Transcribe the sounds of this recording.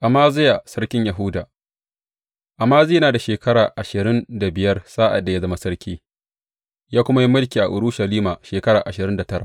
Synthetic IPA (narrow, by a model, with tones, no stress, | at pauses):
ʔa˨maː˦zɪ˦ja˨sɐ˦rkʲɪ˦ɲja˨ɦʊ˦wdaː˨ | ʔa˨mːaː˦zeː˦jnaː˨da˨ʃeː˨kʰɐ˦ɽaː˨ʔa˨ʃɪ˨ɾɪ˦nda˨bɪ˨jɐ˦rsaː˦ʔa̰˨dːa˨ja˦zɐ˦ma˦sɐ˦ɽkʲiː˦ | jaː˦kʷʊ˦ma˦ji˦mʊ˦lkʲiː˨ʔa̰˨ʔʊ˨ɽʊ˦ʃɐ˨liː˦maː˨ʃeː˨kɐ˦ɽaː˨ʔa˨ʃɪ˨ɾɪ˦nda˨tɐ˦ɾa̰˨